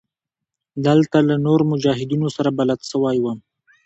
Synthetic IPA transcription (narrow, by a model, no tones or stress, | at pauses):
d̪əlt̪alanoɾomʊd͡ʒɑɦɪd̪inosaɾabalad̪səwajwəm